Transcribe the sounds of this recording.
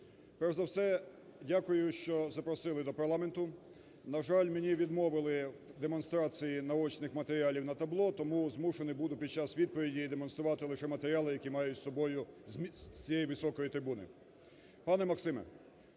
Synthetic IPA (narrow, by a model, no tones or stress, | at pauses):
pɛwzɐwsɛdʲakʊjʊʃt͡ʃɔzɐpɾɔsɪlˠɪd̪ɔpɐɾlˠɑment̪ʊ | nɐʒɑlʲmenʲiʋʲid̪mɔʋɪlˠɪwd̪emɔn̪st̪ɾɑt͡sʲijinɐɔt͡ʃnɪxmɐt̪eɾʲɪɑlʲiwnɐt̪ɐblˠɔt̪ɔmuzmuʃenɪbud̪ʊpʲid̪̚t͡ʃɑsʋʲid̪̚pɔʋʲidʲiːd̪emɔnst̪ɾʊʋɑt̪ɪlˠɪʃɛmɐt̪eɾʲɑlˠɪjɐkʲimɑjʊtʲsɔbɔjʊzsʲt͡sʲijɛjiʋɪsɔkɔjit̪ɾɪbunɪ̰ | pɑnɛmɐksɪmɛ̰